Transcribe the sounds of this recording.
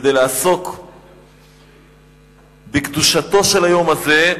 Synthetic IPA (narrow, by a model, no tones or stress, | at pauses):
d̪ejlaːso̞k | bekd̪uʃat̪o̞ʃelajo̞maze